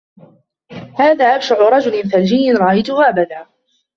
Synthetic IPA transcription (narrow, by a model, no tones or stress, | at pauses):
haːðaːʔabʃaʕʊɾˤɑd͡ʒʊlɪnθald͡ʒɪjːɪnɾˤɑʔajt̪ʊhʊʔabad̪aː